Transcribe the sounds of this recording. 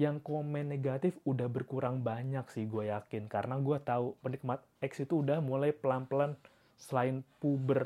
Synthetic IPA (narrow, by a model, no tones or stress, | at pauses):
jaŋkomɛneɡat̪ɪfudahbərkuɾaŋbaɲaksɪhɡuajakɪnkaɾənaɡuat̪aupənik̚mat̪̚ɛksit̪uːdahmulajpəlamplan | səlaɪnpubər